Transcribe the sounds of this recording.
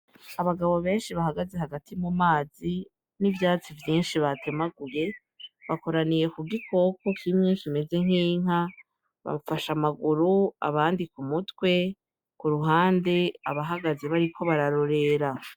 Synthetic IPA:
aβaɡaβo̞βe̞ːnʃiβaɦaɡaze̞haɡatʰimumaːzi | nivjaːt͡sivjiːnʃiβatemaɡuje̞ | βako̞ɾanije̞kuɡikʰo̞ko̞kimɲiːnʃime̞ze̞ŋ̥iːŋ̥a | βa̰mfaʃamaɡuɾua̰βaːndikumutwe̞ | kuɾuɦaːnde̞aβaɦaɡaze̞βaɾikʰo̞βaɾaɾo̞ɾe̞ɾa

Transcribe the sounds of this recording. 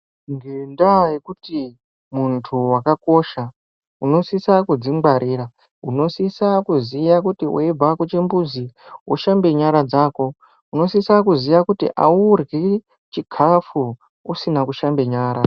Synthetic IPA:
ŋɡendajekuti | muntʰuwakako̞ʃa | uno̞sisakud͡ziŋɡaɾʔiːɾa | uno̞sisakuzijakutioeb͡vakot͡ʃembud͡ziwoʃambe̞ɲaɾad͡zaːko̞ | uno̞sisakuzijakutḭʔa̰urɡe | t͡ʃiɡʰʱafu | usinakuʃambe̞ɲaːɾa

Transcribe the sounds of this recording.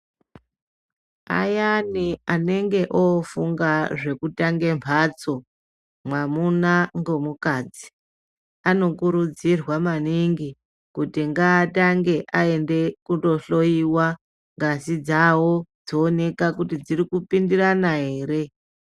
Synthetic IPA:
a̰janiane̞ŋɡe̞ʔofuŋɡaʐe̞kutaŋɡe̞mvʰʱat͡so̞ | mwamunaŋɡo̞mukad͡zi̥ | ano̞kuɾud͡zirwamaniŋɡi | kutiŋɡaːtaŋɡe̞ʔae̞nde̞kuto̞ɬo̞iwa | ŋɡasid͡zawo̞d͡zoːne̞kakutid͡zirikupindiranaɦe̞ːɾe̞

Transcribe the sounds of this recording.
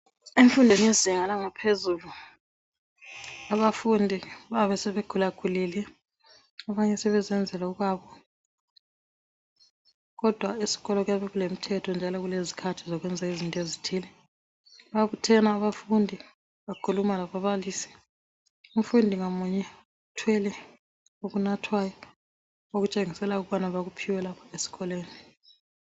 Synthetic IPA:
eɱfundʱɛniziŋalaŋapʰezuːlu | aβafundʱiβaβɛsɛβeɡ̥ʱulaɡ̥ʱuliːlɛ | aβaɲɛsɛβɛzɛnd͡zʱɛlauɣwaːβɔ | ɣɔd̥ʱwaisi̥ɣɔlɔɣujaβɛɣulem̩tʰɛtʰɔnd͡ʒʱalɔɣulezi̥kʰatʰizɔɣwɛnd͡zʱaizintʼezitʰiːlɛ | βaβutʰɛnaːβafundʱi | βakʰulumalaβaβaliːsi̥ | um̩fundʱiŋomuɲɛ | utʰwɛlɛ | uɣunatʰwajɔ | oɣut͡ʃʼeŋisɛlauɣ̬uβanaβaɣupʰiwɛlapʰaesi̥ɣɔleːni

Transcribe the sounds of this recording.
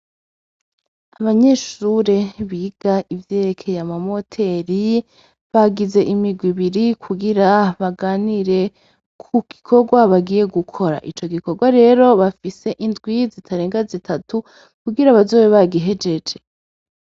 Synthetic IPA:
aβaɲe̞ʃuɾe̞βiːɡ̥aivje̞ːɾekʰe̞jamamo̞tʰe̞ɾi | βaɡize̞ʔimiɡwiβiɾikʰuɡiɾaβaɡaːniɾe̞ | kʰuɡ̥ikʰo̞ɡwaβaɡiːje̞ɡukʰo̞ɾa̰ʔit͡ʃo̞ɡiko̞ɡwaɾe̞ɾo̞βafise̞ʔindɡwizitʰaɾe̞ːŋɡazitʰatu | kuɡiɾaβazo̞ːweβaɡiɦe̞d͡ʒe̞d͡ʒe̞

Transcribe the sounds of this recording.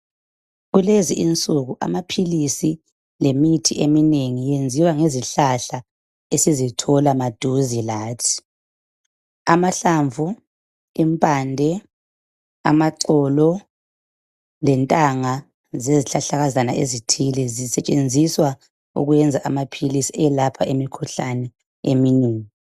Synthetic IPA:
ɣuleziʔint͡sʼuɣuʔa̰mapʰilisi | lemitʰiʔemineŋijend͡zʱiwaŋeziɬaɬa | esizitʰɔlamad̥ʱuzilaːtʰi̥ | amaɬaɱvʱu | impʼandʱɛ | a̰maǀɔlɔ | lɛntʼaŋa | zeziɬaɬaɣazanaʔezitʰilɛzisɛt͡ʃʼend͡zʱiswa | ṵɣwɛnd͡zʱaʔamapʰilisiɛlapʰaʔemikʰuɬanɛ | ḛmineːŋii

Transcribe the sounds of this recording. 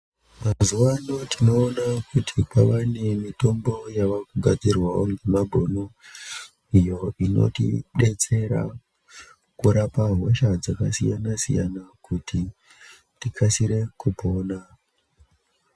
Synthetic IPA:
mazuwanotʰino̞ːnakutʰipaʋane̞mito̞mbo̞jaʋakuɡʱad͡zirwaoŋɡemabʱono | ijo̞ino̞̰tḭɗe̞t͡se̞ɾa̰ | kuɾapaɦwoʃad͡zakasijanasija̰nakutʰi | tikʰasiɾe̞kupoːna

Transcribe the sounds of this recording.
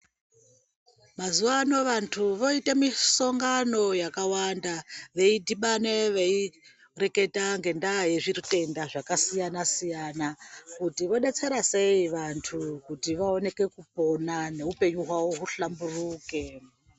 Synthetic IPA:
mazuʋano̞ʋantʰuʋo̞itemiso̞ŋɡano̞jakawandaʋe̞idiɓaneʋe̞i | re̞ke̞taŋɡe̞ndajeʐirite̞ndaʐakasijanasijanakutiʋo̞ɗe̞t͡se̞ɾase̞iʋantʰukutiʋao̞ne̞ke̞kupo̞nane̞upe̞ɲuɦwawoɦuɬamburuːke

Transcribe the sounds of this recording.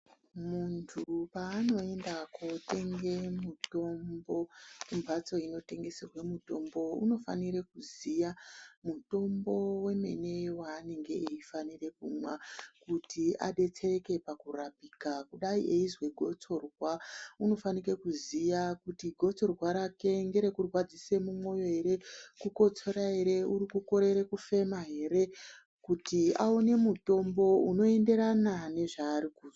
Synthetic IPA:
muntʰupaːno̞e̞ndakote̞ŋɡe̞muto̞mbo̞kumbʱat͡so̞ino̞te̞ŋɡe̞serwemuto̞mbo̞ṵno̞fa̰niɾekuzijamuto̞mbo̞we̞me̞̰ne̞waːne̞ŋɡe̞ʔeifanire̞kumwakutiʔa̰ɗe̞t͡seeke̞pakurapiːkakuɗaiʔeizwe̞ɡʱo̞t͡so̞rwauno̞fanike̞kuzijakutiɡʱo̞t͡so̞rwaɾake̞ŋɡe̞ɾe̞kurwad͡zise̞mumo̞jo̞ɦe̞ɾe̞kuko̞t͡so̞ɾaɦe̞ɾe̞urikuko̞ɾe̞ɾekufe̞maɦe̞ɾe̞ | kutiaone̞muto̞mbo̞uno̞e̞nde̞ɾanane̞ʐaːɾikuz

